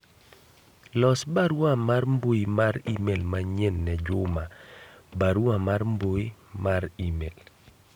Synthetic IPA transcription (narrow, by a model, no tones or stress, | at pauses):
lɔsbaɾwamarmboimaɾimelmaɲenːɛd͡ʒʊmabaɾwamarmboimaɾimel